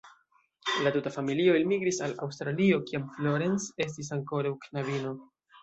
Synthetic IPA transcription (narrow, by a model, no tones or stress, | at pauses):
latutafamilio̞ilmiɡɾisala̰wstɾalio̞kiamflo̞ɾe̞nse̞s̬tis̬aŋko̞ɾawknavino̞